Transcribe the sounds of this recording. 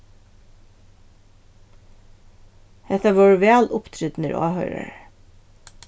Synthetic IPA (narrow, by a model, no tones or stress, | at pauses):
hɛt̪əʋɔːɹʋæːlʔʊpt̪ʰɾʏd̪n̩ə̰ɾɑ̰ːhœʏɾə̰ɹ